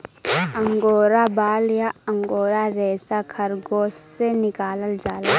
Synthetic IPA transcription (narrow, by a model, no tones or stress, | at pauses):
ɐŋɡoːɾabaːljaɐŋɡoːɾaɾɛːsakʰɐɾɡoːssenɪkaːləld͡ʒaːla